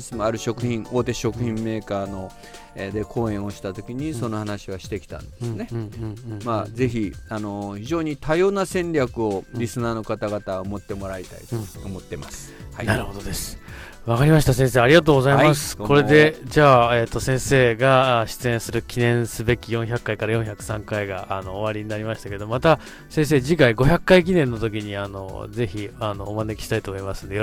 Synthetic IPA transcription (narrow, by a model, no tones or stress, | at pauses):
sɨmoaɾɯ̟ɕo̞kɯ̟çĩŋo̞ːt̪e̞ɕo̞kɯ̟çĩmːe̞ːkaːno̞ | ed̪e̞kʰo̞ːẽ̞ɰ̃o̞ɕi̥t̪at̪o̞kʲiɲ̟iso̞no̞hanaɕiβaɕi̥t̪e̞kʲi̥t̪ã̰ndd̪esɨne̞ | maze̞çʲiano̞çiʑo̞ːɲ̟it̪ajo̞ːnasẽ̞ɲɾʲakɯ̟o̞ɾʲisɨnaːno̞kat̪aɡat̪aomo̞t̪ːe̞mo̞ɾait̪a̰it̪omo̞t̪ːe̞ma̰sɨ̥hainaɾɯhod̪od̪e̞sɨ̥ | βakaɾʲimaɕi̥t̪asẽ̞ɰ̃s̬eːaɾʲiɡat̪oːɡozaimasɨ̥kʰo̞ɾe̞d̪e̞d͡ʑaːet̪ːo̞sẽ̞ɰ̃se̞ːɡaɕi̥t͡sɨẽ̞ɰ̃sɨɾɯ̟kʲinẽ̞ɰ̃sɨbe̞kʲijõ̞ɰ̃çakːaikaɾajõ̞ɰ̃çakɯ̟̥sãŋkaiɡaʔano̞ːβaɾʲiɲ̟inaɾʲimaɕi̥t̪ake̞d̪o̞mat̪a | sẽ̞ɰ̃s̬e̞ːd͡ʑikaiɡo̞çʲakːaik̬ʲinẽ̞nːo̞t̪o̞kʲiɲ̟iano̞̰ze̞çianoːmane̞kʲi̥ɕi̥t̪ait̪oːmo̞imasɨ̃nd̪e